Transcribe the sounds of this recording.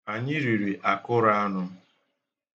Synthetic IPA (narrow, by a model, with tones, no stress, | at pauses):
a˨ɲɪ˦ɾi˨ɾi˨ʔa˨kʊ˦ɾa˦a˦nʊ˦